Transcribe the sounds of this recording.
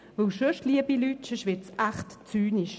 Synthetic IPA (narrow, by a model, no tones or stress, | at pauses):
vowʃøʃliəbilytʃəʃʋɪt͡sʔaχtt͡syːniʃ